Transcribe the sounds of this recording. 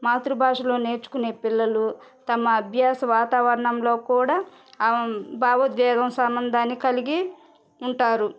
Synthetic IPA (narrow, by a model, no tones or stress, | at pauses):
maːt̪ɾubʱaːʂɐlo̞ːne̞ːɾt͡ʃu̥kune̞ːpilːɐlut̪ɐmɐːbʱjaːsɐʋaːt̪aːʋɐɾɐɳɐmlo̞ːkuːɽaː | bʱaːʋɐd̪ʋɛːd̪ɐmsɐmɐnd̪ʱaːnːikɐliɡi | uɳʈaːɾu